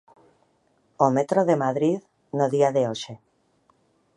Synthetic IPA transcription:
omet̪ɾoðemaðɾið | noðiaðeoʃe

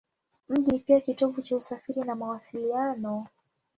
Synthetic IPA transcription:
m̩ʄinipiakitɔvut͡ʃausafiɾinamawasilianɔ

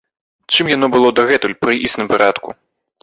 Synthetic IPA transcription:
t͡ʂɨmjanɔbɨlˠɔd̪ɐɣɛt̪ulʲpɾɨʔisnɨmpaɾat̪kṵ

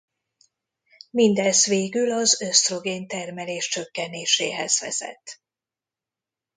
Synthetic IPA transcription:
mind̪ɛzʋeːɡylɒzøst̪ro̞ɡeːnt̪ɛrmɛleːʃt͡ʃø̞kːɛneːʃḛːɦɛz̥ʋɛ̰zɛ̰t̪ː

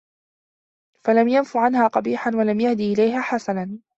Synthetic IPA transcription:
falamjanfuʕanhaːqɑbiːħanwalamjahd̪iːʔɪlajɦaːħasanan

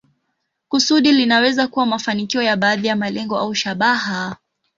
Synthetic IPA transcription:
kusuɗilinawɛzakuwamafanikiɔjaɓaːðijamalɛŋɡɔʔauʃaɓaha

